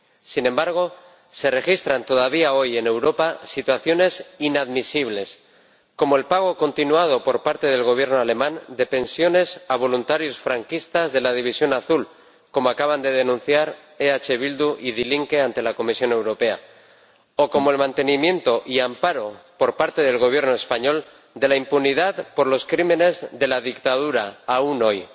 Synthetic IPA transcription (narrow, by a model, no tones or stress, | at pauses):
sinẽ̞mbaɾɣ̞o̞ | se̞re̞xist̪ɾant̪o̞ð̞aβ̞iao̞je̞ne̞wɾo̞pasit̪waθjo̞ne̞sinaðmisiβle̞s | ko̞mo̞e̞lpaɣ̞o̞ko̞nt̪inuað̞o̞po̞ɾpaɾt̪e̞ð̞e̞lɣ̞o̞β̞je̞ɾno̞ale̞mãnd̪e̞pe̞nsjo̞ne̞saβ̞o̞lunt̪aɾjo̞sfɾaŋkist̪azðe̞laðiβ̞isjo̞naθul | ko̞moakaβand̪e̞ð̞e̞nũn̟θjaɾ | eat͡ʃe̞β̞ild̪uʔiðiliŋke̞ant̪e̞lako̞misjo̞ne̞wɾo̞pe̞a̰ | oko̞mo̞e̞lmãnt̪e̞nimjẽ̞nt̪o̞ʔiampaɾo̞po̞ɾpaɾt̪eð̞e̞lɣ̞o̞β̞je̞ɾno̞e̞spaɲo̞l | d̪e̞laimpuniðaðpo̞ɾlo̞skɾimẽ̞ne̞zðe̞laðikt̪að̞uɾaːuno̞j